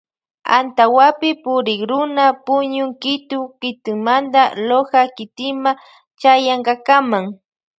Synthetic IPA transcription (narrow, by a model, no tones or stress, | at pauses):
a̰nt̪awapɪpʊɾɪkɾʊnapʊɲʊŋkɪt̪ʊkɪt̪ɪŋmand̪alohakɪt̪ɪma | t͡ʃajaɴɢɑkamaŋ